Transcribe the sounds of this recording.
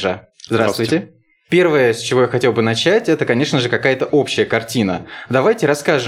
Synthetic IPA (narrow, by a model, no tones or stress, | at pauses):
ʐə | zd̪ɾast̪vʊjtʲɪ | pʲe̞rvəjəsʲt͡ɕɪvo̞jaxɐtʲe̞lˠbɨnɐt͡ɕætʲɛt̪əkɐnʲe̞ʂnəʐɨkɐkajət̪əʔo̞pɕːɪjəkɐrtʲinəd̪ɐvajtʲɪɾɐskaʐɨ